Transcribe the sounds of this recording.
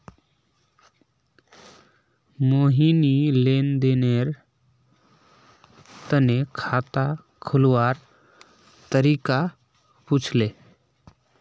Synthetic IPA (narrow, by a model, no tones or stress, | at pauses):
moːɦinileːnd̪eːneɾ | t̪ənekʰaːt̪a | kʰʊlwaːɾ | t̪əɾiːka | puːt͡ʃʰleː